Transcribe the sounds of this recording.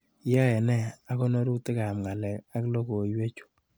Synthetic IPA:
ja˦ɛ˨nɛ˦a˦kɔ˦no˦ɾu˦tɪ˦ka˨m˨ŋa˨lɛ˨a˦klo˦ko˨jwe˦t͡ʃo̥˨

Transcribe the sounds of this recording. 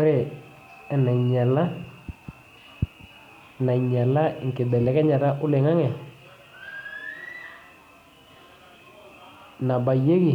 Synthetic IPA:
ɔ˦ɾe˦ | ɛ˨na˨ɲa˨la˦ | na˨ɲa˨la˦˨ŋ˨kɪ˨bɛ˨lɛ˨kɛ˦ɲa˨ɾa˦ʔʊ˦lɛ˨ŋa˦ŋɛ˨ | na˨ba˨je˦ɣi˨

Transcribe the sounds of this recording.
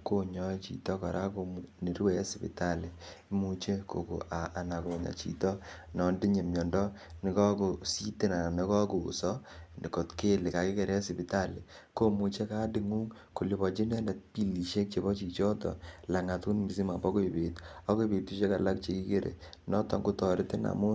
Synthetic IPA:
ko˦ɲɔ˨˦t͡ʃḭ˨tɔ˦ka˨ɾa˦ko˨mu˨ni˨ɾwɛ˦si˨bɪ̰˨ta˦li˨˦mu˦t͡ʃe˦ko̰˨ko̰˨ʔa˨ʔa˨na˨ko˨ɲa̰˨t͡ʃḭ˨tɔ˦nɔ˨ndi˦ɲe˨mjɔ˨ndɔ˦nɪ˦kɔ˦ko˨si˦te˦na˨a˨ne˨˦kɔ˦ku˨ṵ˨sɔ˦n˨ko˨tke˦le˨ka˨kɪ˦kɛ˨ɾɛ˦si˨bɪ˨ta˦li˨ | ko˦mu˨t͡ʃe˦ka˦di˨ŋu˦ŋ | ko˨lo˨βɔ˨t͡ʃi˦nɛ˦ndɛ˨t̚pi˦li˨ʃe˦k̚t͡ʃe˨bɔ˦t͡ʃi˨t͡ʃɔ˦tɔ̰˨la˨ŋa˨tu˦nmi˨si˦ma˨pɔ˦ko˦i˨be˨ta˦ko˦be˨ti˦ʃe˦ka˨la˦kt͡ʃe˨ki˦ke˦ɾʔḛ˨ | nɔ˦tɔ˨ŋɡu˦tɔ˨ɾɪ˦te˦na̰˨mu˦

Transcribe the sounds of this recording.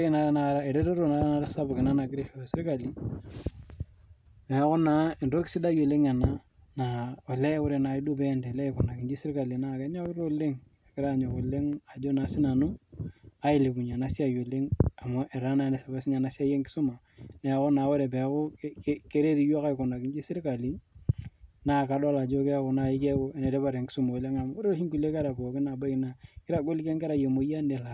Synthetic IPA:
ɾena˦ɾa˦na˦ɾa˦e˨ɾe˦ɾo˦ɾo˦na˨ɾa˦na˨˦ɾa˦sa˦bo˨kɪ˨na˦na˨ɡɪ˦ɾe˦fa˨a˨sɪ˦ɾka˨li˦ | nɛ˨˦kɔ˦na˨i˨ndo˦ki̥˦si˦da˦jo˨le˦ŋa˨na˨ | na˨ɔ˨lɛ˦kʊ˦ɾe˨na˨i˦du˦bɛ˦ndɛ˨lɛ˦kɔ˨na˨ki˨nd͡ʒi˦sɪ˦ɾka˨li˨na˦˨kɛ˦ɲa˦i˦ɾo˦le˦ŋ | a˨kɪ˦ɾa˦ɲo˨ko˨le˦ŋa˨d͡ʒo˦na˨si˦na˨nu˦a˦ɪ˦le˨bʊ˨ɲa˨na˦si˦a˦jo˨le˦ŋa˨mo˦ʔɛ˨ɾa˦na˨ne˨se˨ba˦sɪ˦ɲa˨na˨si˦a˦je˦ŋkɪ˦su˦ma˨ | nɛ˨a˨kɔ˦na˨wo˦ɾɛ˨p̬ɛ˨˦kʊ˦kke˦ɾe˦ɾi˨jo˦ka˦ɪ˨ko˨na˨kɪ˦nd͡ʒi˦sɪ˦ɾka˨li˦ | na˦˨ka˦dɔ˦la˨d͡ʒo˦kɛ˦a˦kʊ˨na˦˨ɪ˦kɛ˦ko˦ɛ˨nɛ˨tɛ˦ba˦˨ɾe˨ŋkɪ̥˦su˦mo˨le˦ŋa˨m˦o˦ɾe˦ʃi˦ŋku˨le˦ka˦ɾa˨bo˨kɪ˦na˨bo˦kɪ˨˦na˨kɪ˦ɾa˦˨ɡo˦li˦ke˦ŋkɛ˦ɾa˨je˨mo˨ja˦ndɛ˨la˨

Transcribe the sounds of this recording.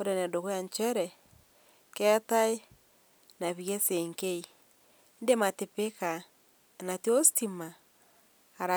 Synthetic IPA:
ko˦ɾɛ˨nɛ˨do˨ko˦ja˨ɲt͡ʃɛ˦ɾɛ˨ | kɛ˦tae˦ | na˨βiɣe˦se˨ŋke˦i˨ | nde˦ma˨te˨pe˦ka˨ | na˨ti˦o˦stimaː˨ | ɾa˨

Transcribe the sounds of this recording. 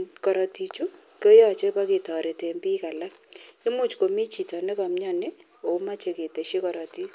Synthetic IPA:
kɔ˨ɾa˨ti˨t͡ʃu˦ | ko˦jɔ˦˨t͡ʃe˦pa˦kɪ˨tɔ˨ɾe˨te˨mbi˦ka˨la˦k | ɪ˦mʊ˦˨t͡ʃko˨mi˦t͡ʃi˨tɔ˨nɛ˦kɔ˨mɲa˦nɪ˦ | o˨˦ma˦t͡ʃe˨ke˨t̪e˨ʃi˦kɔ˨ɾa˨ti˦

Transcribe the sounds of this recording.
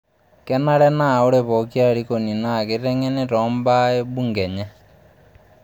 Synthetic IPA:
kɛ˦na˦ɾɛ˦na˦˨o˦ɾe˦βɔ˨ki˦a˦ɾi˦ko˨ni˨na˦˨ke˦ɾɛ˦ŋɛ˦ne˦tɔ˨˦mba˦e˦bu˦ŋɡɛ˨ɲɛ˦

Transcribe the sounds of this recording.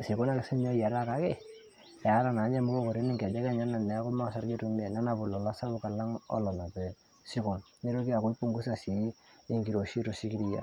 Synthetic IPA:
si˨ko˦na˦kɪ˨sɛ˦ɲo˦ja˨ɾa˦ka˨˦kɛ˦˨ | ɛ˨a˦ɾa˦˨na˨˦ɲɛ˦mu˦ko˦kɔ˨ɾi˦nɪ˦ŋkɛ˨d͡ʒɛ˦ka˦˨ɲa˦na˨nɛ˨˦ko˦ma˦˨sa˦ɾke˦tu˦nɛ˨na˦na˨bʊ˨lɔ˨la˦sa˦bʊ˦ka˨la˦ŋɔ̰˦lɔ˨na˨pɛ˨ | si˦kɔ˨n | ni˦ɾo˦ki˦a˨ko˦pu˦ŋɡu˦sa˨si˨˦ | i˦ŋɡi˨ɾo˨ʃi˦ɾo˨si˦ki˦ɾi˦ja̰˨

